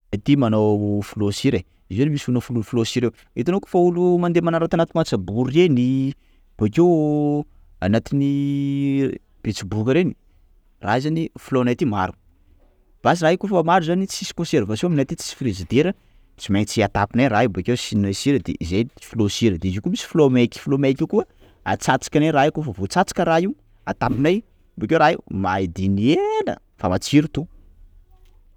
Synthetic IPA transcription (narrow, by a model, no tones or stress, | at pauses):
at̪imanowfulosiɾe | izenmisunəfulufulosiɾew | et̪anoko̥faulumand̪emanaɾat̪anat̪imat͡sabuɾeni | b̥akew | a̰nat̪ini | b̥et͡sibukəɾeni̥ | ra̰zanifulonat̪imaɾu̥ | b̥asiraɦikofəmaɾuzanit͡sisi̥koseɾvasiominat̪it͡si̥si̥fiɾizid̪eɾə | t͡simenit͡siat̪apinajraibekewsinesiɾəd̪ḛʔizejfulosiɾəd̪eizikumisi̥fulomekʲi̥fulomekʲikuə | a̰t͡sat͡si̥kʲaneraikofəvot͡sat͡si̥kʲəɾaiw | at̪apinaj | bekewɾaimaid̪inienə̰ | fa̰mat͡siɾut̪u